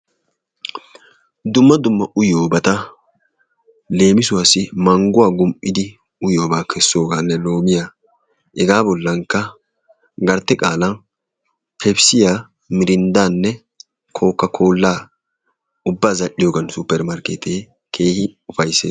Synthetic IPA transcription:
d̪ʊmːɐd̪ʊmːɐʔʊjoːbɐt̪ɐ | le̞ːmɪsʊwasɪmɐŋɡʊwaːɡʊmʔʔɪd̪ɪ | ʊjoːbaːkʰɛsːo̞ːɡanːɛlo̞ːmɪja | ɛɡaːbɔlːɐŋkːɐ | ɡɐɾt̪ːɛkʼaːlɐ | pʰɛbsɪjaː | mɪɾɪnd̪aːnːɛ | kʰo̞ːkːɐkʰo̞ːlːaː | ʊbːaːzɐʔɪjoːɡɐnsʊpːɛɾmɐɾkeːt̪ʰeː | kʰeːhɪʊfɐjseː

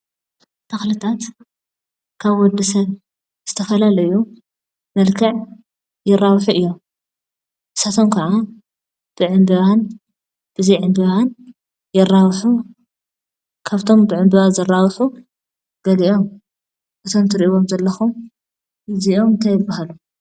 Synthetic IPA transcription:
t̪ʰɐxlɨt̪ʰat̪ | kʰaβwɔd̪ɐsɐβ | z̥ɨt̪ʰɐfɐlalɐju | mɐlkʰɐʕ | jɪrːawħuʔɨjːo̞m | ʔɨsat̪ʰomkʰɐʕa | b̥ɨʕɨmbɨβan | b̥ɨzɐjʕɨmbɨβan | jɪrːawħu | kʰaβt̪ʰo̞mbɨʕɨmbɨβazɐrːawħu | ɡ̥ɐliʔo̞m | ʔɨt̪ʰo̞mt̪ʰɨɾʔiβomzɐlːɐxum | ɨziʔo̞mnt̪ʰajɪbːahalu

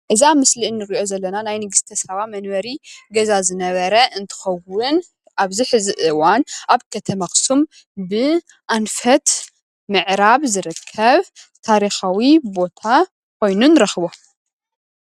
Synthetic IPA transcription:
ʔɨziamɨslinːɨɾiʔo̞zɐlːɐnanajnɨɡɨst̪ʰɐsɐβamɐnwɐɾiɡɐzazɨnɐβɐɾɐʔɨnt̪ʰɨ̥xɐwʊn | ʔaβziħɨzɨʔɨwanʔaβkʰɐt̪ʰɐmaxsum | bɨ | ʔanfɐt̪ | mɨʕɾaβzɨɾɨkʰːɐβ | t̪ʰaɾixawibo̞t̪ʰa | kʷʰo̞jnunɾɐxβo

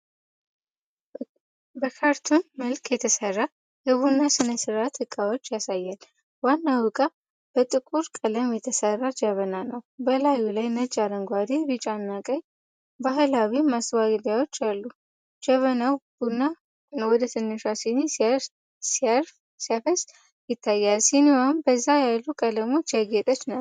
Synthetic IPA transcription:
bəkʰaɾt̪ʰunməlkʰjɛt̪ʰəsərːa | jɛβunːasɨnəsɨɾat̪hɨkʼawot͡ʃːjasajːal | wanːawɨkʼa | b̥ət̪ʼɨkʼuɾkʼələmjɛt̪ʰəsərːad͡ʒəβənanəwbəlajulajnət͡ʃʼaɾəŋɡʷad̪ebɨt͡ʃʼanːakʼəɲ | baɦɨlawimaswaɡɨd̪jawo̞t͡ʃːalːu | d͡ʒəβənawb̥unːa | wɔd̪ət̪ʰɨnːɨʃasini | siaɾ | siafəs | jɪt̪ʰːajːalsiniwambəzːajalːukʼələmo̞t͡ʃːjaɡɛt̪ʼət͡ʃːnə

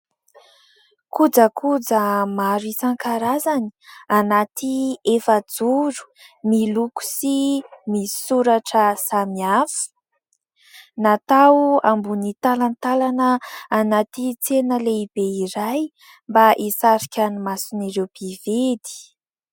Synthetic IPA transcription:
kud͡zəkʰud͡zəmaɾisaŋkaɾazani̥anat̪ʰiefəd͡zuɾu̥ | miluku̥simii̥suɾaʈ͡ʂəsamiafu̥ | nat̪awambunit̪alant̪alanəːnat̪it͡senəleibeiɾaj | mbaʔisaɾikʲanimasuniɾewb̥ived̪i̥

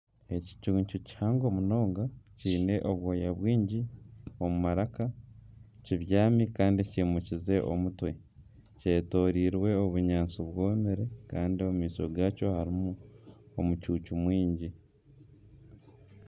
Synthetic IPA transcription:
e̞ci̥cuːɲt͡ʃuci̥haŋɡo̞muno̞ːŋɡaciːne̞ʔo̞βwoːjaβwiːɲɟio̞mumaɾaka | ciβjaːmikaːndiciːmucize̞ʔo̞̰mutwe̞ | ce̞ːto̞ːɾiːɾwe̞o̞βuɲaːnt͡suβwoːmiɾe̞kaːndiomumiːsoɡaːco̞haɾimuomucuːcumwiːɲɟi

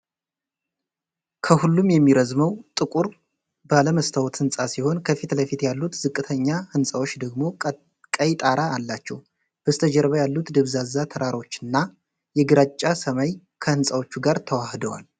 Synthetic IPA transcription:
kʰəhulːumjɛmːiɾəzməwt̪ʼɨkʼuɾ | bəaləməst̪ʰawt̪hɨnsʼasiho̞nkʰəfit̪ləfit̪jalːut̪zɨkʼːɨt̪ʰəɲːahɨnsʼawo̞t͡ʃːd̪əɡmo̞ | kʼəjt̪ʼaɾaːlːat͡ʃːɛw | b̥əst̪ʰəd͡ʒɛɾβajalːut̪d̪ɨβzazːat̪ʰəɾaɾo̞t͡ʃːɨnːa | jɛɡɨɾat͡ʃʼːasəmaj | kʰəhɨnsʼawo̞t͡ʃːuɡaɾt̪ʰəwahd̪əwa̰l

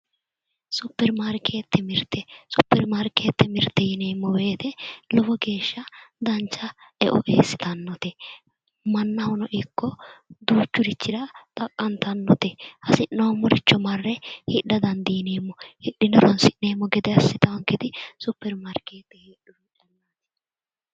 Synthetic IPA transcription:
sʊpːɛɾmaɾkʰeːt̪ːɛmɪɾt̪ʰːɛsʊpːɛɾmaɾkeːt̪ːɛmɪɾt̪ːɛjɪneːmːɔweːt̪ɛlɔfɔɡe̞ːʃːɐd̪ɐnt͡ʃːɐɛʔɔʔeːsːɪ̥t̪ɐnːɔt̪ɛ | mɐnːɐhʊnɔʔɪkːɔd̪uːt͡ʃːʊɾɪt͡ʃːɪd̪ɐt̪ʼɐkʼːɐnt̪ɐnːɔt̪ɛhɐsɪnːɐwmʊɾɪt͡ʃːɔmɐrːɛhɪɗɐd̪ɐnd̪iːneːmːɔhɪɗːɪnɛɾɔnsɪʔneːmːɔɡɛd̪ɛɐsːɪt̪ɐwɐŋkːɛd̪ɪsʊpːɛɾmaɾkeːt̪ːɛhiːɗʊɾiᶑɐnːat̪ɛ̥

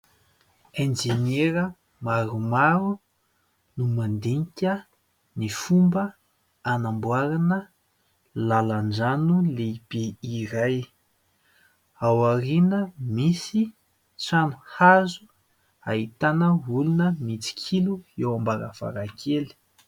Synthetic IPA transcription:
ẽnd͡ʒeneɾə | maɾumaɾu | numand̪eŋkʲə | nifumbə | anambwaɾanə | laland͡ʒanuleb̥iiɾaj | awaɾinəmisi | t͡sanuhazu | aɦit̪anəulunəmit͡si̥kʲʰiluewambaɾa̰v̥a̰ɾakʰeli̥

